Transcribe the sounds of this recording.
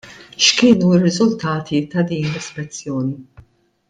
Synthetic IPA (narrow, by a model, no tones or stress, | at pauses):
ʃkɪːnuɪrːɪzʊlt̪ɐːt̪ʰit̪ɐd̪iːnlɪspɛt͡sːjɔːni